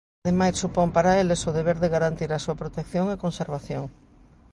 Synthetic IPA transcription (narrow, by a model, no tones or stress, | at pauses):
ðemajsːupompaɾaelesoðeβeɾðeɣaɾant̪iɾasuapɾot̪ekθjoŋekonseɾβ̞aθjoŋ